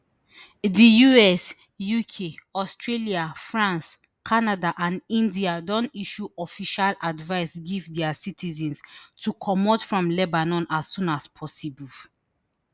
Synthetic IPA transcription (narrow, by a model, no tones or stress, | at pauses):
dijuɛs | jukʰeɔstɹeliafɹãns | kʰanadaʔãnĩndiadɔ̃ntiʃuɔfiʃaladvaɪsɡivdɛasitʰizɛ̃nstʰukʰɔmɔtfɹɔ̃mlɛbanɔ̃nasːũnaspʰɔsibul